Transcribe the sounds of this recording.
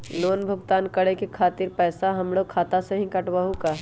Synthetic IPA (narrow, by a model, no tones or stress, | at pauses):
loːnbʱʊɡt̪aːnkɐɽekekʰaːt̪ɪɾpɛːsaɦɐmɽokʰaːt̪asẽɦĩkɐʈwaɦũkaɦ